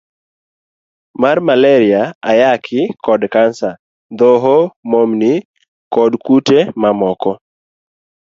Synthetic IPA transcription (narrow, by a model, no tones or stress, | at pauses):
marmalɛɾɪaajakʰɪkɔdkansa | d̪ɔɦomomni | kɔdkutemamɔkɔ